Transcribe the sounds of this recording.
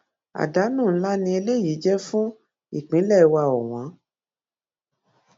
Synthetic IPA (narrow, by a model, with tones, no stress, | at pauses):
a̰˨da˨˦nũː˦˨n̩˦la˦nĩ˧e˧le˦ji˨˦d͡ʒɛ˦fũ˦ | i˦˨k͡pĩ˨˦lɛ˦˨i˧wa˧ɔ˨w̃ã˨˦